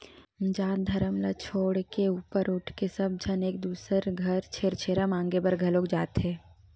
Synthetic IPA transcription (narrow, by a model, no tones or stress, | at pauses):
d͡ʒaːd̪ʱɐɾəmlat͡ʃʰoːɽkeuːpəɾʊʈʰkesəb̚d͡ʒʱəneːk̚d̪uːsəɾɡʱɐɾt͡ʃʰeːɾt͡ʃʰeːɾamãːŋɡebəɾɡʱɐloːkd͡ʒaːt̪ɦɛː